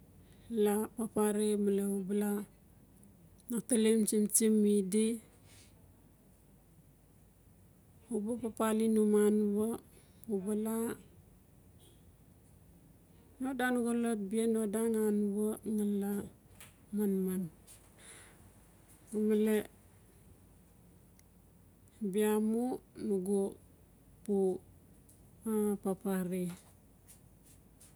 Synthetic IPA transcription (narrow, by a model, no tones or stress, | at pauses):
lapapaɾemaleubala | nak̚talimt͡ʃimt͡ʃimːidi | ubapapalinumanβo | ubala | nodanuɡolot̚bienodaŋanβaŋala | manman | umale | biamunuɡo | pu | apapaɾi